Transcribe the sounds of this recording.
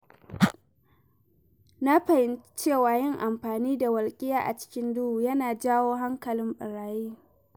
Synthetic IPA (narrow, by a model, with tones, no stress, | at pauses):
na˦ɸɐ˨hɪ˦n˦t͡ʃeː˦˨waː˨jɪ˦ŋʔa˨mɸaː˨niː˦da˨wɐ˨lkʲʼɪ˦jaː˨ʔa̰˨t͡ʃɪ̥˦kʲɪ˦ndʊ˦uː˨jɐ˦naː˨d͡ʒaː˦woː˦ɦa˦ŋkɐ˨lɪ˦mɓʼɪ˨ɽaː˨jiː˦